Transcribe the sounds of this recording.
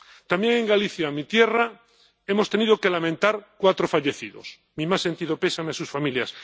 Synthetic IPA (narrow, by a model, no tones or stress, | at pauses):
t̪ambje̞ŋẽ̞ŋɡaliθjamit̪je̞ra | e̞mo̞st̪e̞nið̞o̞kelamẽnt̪aɾkwat̪ɾo̞faʎe̞θiðo̞̰s | mimasːe̞nt̪iðo̞pe̞sameasusfamiljas